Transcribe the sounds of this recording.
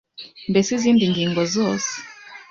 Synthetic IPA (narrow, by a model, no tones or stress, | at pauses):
mbɛsizindiŋɡiŋɡɔzɔs